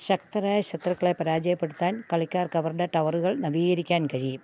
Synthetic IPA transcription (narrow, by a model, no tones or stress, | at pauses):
ɕɐk̚t̪ɐɾaːjɐɕɐt̪rɐkːɐɭepɐɾaːd͡ʑɐjɐpːeɽut̪ːaːnkɐɭikʲːaːrkɐʋɐrɖɐʈɐʋɐruɣɐɭnɐbiːɣɐɾikʲːaːnkɐɻim